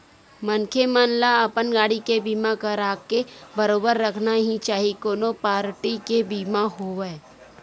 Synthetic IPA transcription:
mənkʰemaːnlaəpənɡaːɽikebiːmakəɾaːkebəɾoːbəɾːəkʰnaɦĩt͡ʃaːɦikoːnopaːɾʈikebiːmaɦoʋɛe

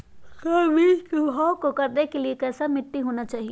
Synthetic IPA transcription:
kɐbʱikɦɔːkokɐɾd̪ekeliekɛːsamɪʈːiɦoːnat͡ʃaːɦie

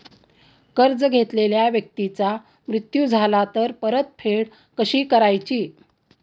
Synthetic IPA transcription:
kəɾd͡zɡʱet̪leljaʋjək̚t̪it͡sa | mɾut̪jud͡zʱalat̪əɾpəɾət̪̚fʰeɽ | kəɕiːkəɾajt͡ɕiː

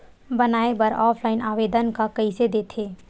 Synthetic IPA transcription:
bɐnaːepɐɾɔːpʰlaːɪnaːʋeːd̪ənkakɐised̪eːt̪ʰeː

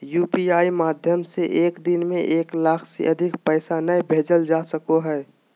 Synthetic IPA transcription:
juːpiaːimaːd̪ʱjəmseʔeːkd̪ɪnmẽʔeːklaːkʰsḛʔɐd̪ʱɪkpɛːɪsanəjbʱeːd͡ʒəld͡ʒaːsəkoɦɛː

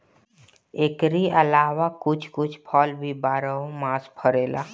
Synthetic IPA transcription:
eːkɾiəlaːwakʊt͡ʃʰkʊt͡ʃʰpʰɔːlbʱibaːɾəomãːspʰəɾeːla̰ː

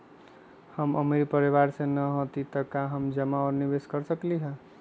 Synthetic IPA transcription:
həmə̰miɾipəɾiβaɾsenəɦot̪it̪əkaɦəmd͡ʒəmaɔɾnibeskəɾsəkliɦə̃

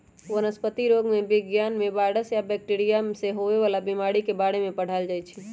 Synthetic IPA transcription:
ʋənəspət̪iɾoɡmebɪɡjanmẽbaɽəsjabɛk̚ʈiɾijaseɦoʋeʋalabimaɽikebaɽemẽpəɽ̤ald͡ʒajt͡ʃʰi

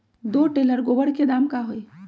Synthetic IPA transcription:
d̪oʈeləɾɡobəɽ̤ked̪amkaɦoj

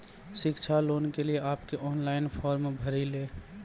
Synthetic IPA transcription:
ʃɪkt͡ʃʰaloːnkelieʔaːpkeʔɔːnlaːɪnpʰɔːɾmebʱɐɾileː

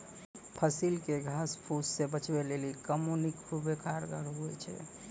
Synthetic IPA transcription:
pʰəsilkeɡʱaspʰussebət͡ʃbelelikəmonikkʰubekaɾɡaɾɦuɛ̰t͡ʃʰɛ̰

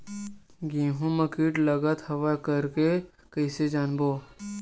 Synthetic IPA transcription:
ɡĩːɦũməkiʈləɡət̪hɐʋakəɾke | kəɪsed͡ʒaːnboː

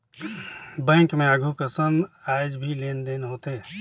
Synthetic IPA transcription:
bɛ̃ːŋkmẽaɡʱukəsənaːɪd͡ʒbʱileːnd̪eːnɦoːt̪eɦɛ

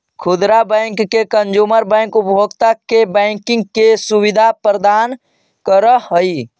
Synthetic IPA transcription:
kʰud̪ɾabɛɪŋkːekənd͡ʒuməɾbɛŋkupbʱoɡt̪akebɛŋkɪ̃ŋɡ̚kesuʋid̪ʱapɾəd̪an | kəɾəɦəi

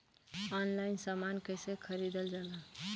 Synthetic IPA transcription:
ɔnlaɪnsamankəjsekʰəɾid̪əld͡ʒala

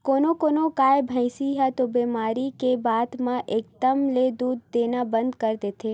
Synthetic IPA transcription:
koːnokoːnokaːjbʱə̃ɪsiɦat̪obemaːɾikebaːd̪mãʔeːk̚d̪əmled̪uːd̪ːeːnabə̃nd̪kəɾd̪eːt̪ʰeː

